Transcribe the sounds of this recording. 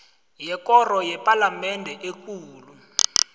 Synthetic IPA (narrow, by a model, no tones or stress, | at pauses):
jɛk̬ʼɔrɔjɛpʼalamɛndʱɛʔek̬uːlu